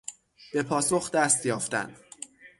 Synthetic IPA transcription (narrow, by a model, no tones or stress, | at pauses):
b̥e̞pʰɒːso̞xd̪æst̪jɒːft̪æ̰nd̪̥